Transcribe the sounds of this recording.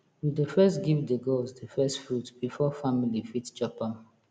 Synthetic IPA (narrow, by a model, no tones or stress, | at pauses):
widəfɛstɡivdəɡɔzdəfɛstfɹutb̥ifɔfamilifitd͡ʒɔpa